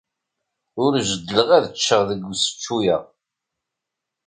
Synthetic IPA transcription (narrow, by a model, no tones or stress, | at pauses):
ʊɾʒəd̪ləʁæðət͡ʃːəʁðəɡːsə̥t͡ʃːujəʁ